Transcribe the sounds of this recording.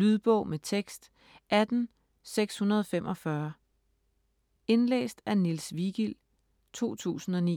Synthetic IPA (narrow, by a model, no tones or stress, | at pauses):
lyðˠb̥ɔ̽ʊ̰met͡sʰeɡ̥sd̥ | ʔæd̥n̩ | seɡ̥shunɐð̞ˠɒ̽femʔɒ̽fɶɐ | e̝nlḛːsd̥ænilsʋiɡ̥il̰ | t͡sʰo̝̰ːt͡sʰṵːsn̩ɒ̽nḭː